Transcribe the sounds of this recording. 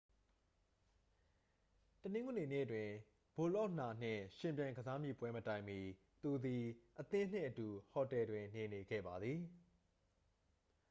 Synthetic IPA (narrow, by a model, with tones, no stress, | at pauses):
tənɪ̃˦ŋɡu˨ne˨nḛ˦˨ətwɪ̃˨ | b̥o˨lɔ˦ʔna˨n̥ɪ̰̃˦˨ʃɪ̃˨mp̬jã˨ɪ̃ŋɡəza˦mjḭ˦˨pwɛ˦mətã˦˨ɪ̃mi˨ | t̪u˨d̪i˨ʔət̪ɪ̃˦n̥ɪ̰̃˦˨ʔətu˨hɔ˨tɛ˨dwɪ̃˨ne˨ne˨ɡɛ̰˦˨ba˨d̪ði˨